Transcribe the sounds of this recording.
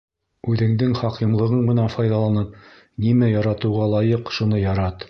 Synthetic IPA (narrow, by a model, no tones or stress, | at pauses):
ʉðɘ̆ŋd̪ɘŋχɑqimlˠɤ̆ʁɤɴmɘ̆nænfɑjðɑlˠɑnɤp̚ | nimæjɒɾɑt̪ɤ̆wʁɑlˠɑjɤqʃunɤjɒɾɑt̪